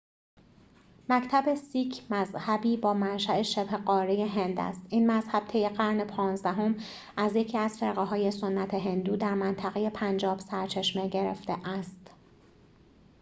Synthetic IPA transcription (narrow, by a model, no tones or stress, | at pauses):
mæcʰt̪ʰæbe̞siːcʰmæzhæbiːbɒːmænʃæʔe̞ʃeb̥he̞ɢɒːɾejeɦend̪æ̰st̪ʔiːnmæzhæb̥̚t̪ʰe̞jeɢæɾnepʰɒːnzd̪æɦo̞m | æzje̞cʰiːæz̥feɾɣeɦɒːje̞so̞nːæt̪ʰeɦe̞nd̪uːd̪æɾmænt̪ʰæɣeje̞pʰænd͡ʒɒːb̥sæɾt͡ʃʰe̞ʃmeɟeɾḛft̪eʔæst̪